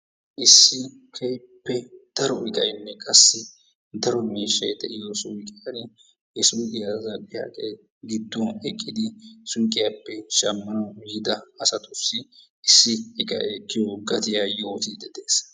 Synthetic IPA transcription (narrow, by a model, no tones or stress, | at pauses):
ʔɪsːɪ | kʰɛj | pːɛd̪̥ɐɾɔɪkʼɐjmːɛkʼɐsːɪ | d̪ɐɾɔmiːʃːɐjd̪ɛʔɪjɔsʊkʼɪjɐn | hɛsujkʼɪjazɐpʼɪja̰ːkʼej | ɡɪd̪ːɔɛkʼːɪd̪ɪsʊŋkʼːɪjapːɛʃɐmːɐnɐːɪd̪ɐɐsɐt̪ʊsːɪ | ʔɪsːɪɪkɐ̰kːɪjɔɡɐt̪ɪjajoːt̪id̪ɛd̪e̞ːs